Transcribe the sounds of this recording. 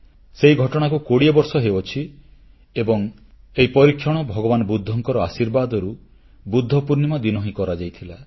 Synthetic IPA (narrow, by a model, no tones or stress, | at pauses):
seɦiɡʱɔʈɔɽ̃akukoɽiebɔɾsɔɦeot͡ʃʰi | ebɔŋ | eɦipɔɾikʰːjɔɽ̃ɔbʱɔɡɔbanɔbud̪ʱːɔŋkɔɾɔasiɾbad̪ɔɾu | bud̪ʱːɔpuɾnimad̪inɔɦĩkɔɾad͡ʒajt̪ʰila